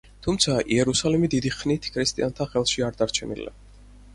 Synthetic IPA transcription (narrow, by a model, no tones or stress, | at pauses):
t̪ʰumt̪sʰaʔiɛɾusalimid̪id̪iχnit̪ʰkʰɾist̪ʼiant̪ʰaχɛlˠʃiaɾd̪aɾt͡ʃʰɛnḭla̰